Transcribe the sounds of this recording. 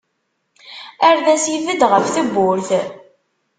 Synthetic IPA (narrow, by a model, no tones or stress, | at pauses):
æɾðæsivəd̪ʁəfθəbːʊɾθ